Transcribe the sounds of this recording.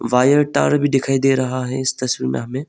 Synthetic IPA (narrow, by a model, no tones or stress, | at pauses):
ʋaːjəɾʈa̰ːɾbʱid̪ɪkʰaːid̪eːɾɐɦaɦɛɪst̪ɐsʋiːɾmḛ̃ɦɐmẽ